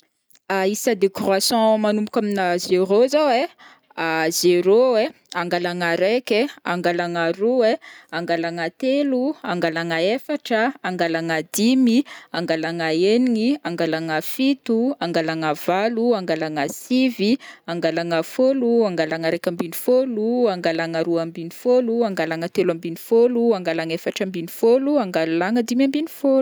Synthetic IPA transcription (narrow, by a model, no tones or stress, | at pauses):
aisəd̪ekruasɑ̃manumpu̥kʲaminazeɾozawe | azeɾowe | aŋɡalaŋaɾekea̰ŋɡalaŋaɾuweaŋɡalaŋat̪eluaŋɡalaŋəefaʈ͡ʂəːŋɡalaŋad̪imiaŋɡalaŋaeniŋiaŋɡalaŋafit̪uaŋɡalaŋav̥aluaŋɡalaŋasiviaŋɡalaŋafoluaŋɡalaŋəɾekʲambinifoluaŋɡalaŋaɾuambinifoluaŋɡalaŋət̪elambinifoluaŋɡalaŋefaʈ͡ʂəmbinifoluaŋɡalaŋəd̪imambinifolu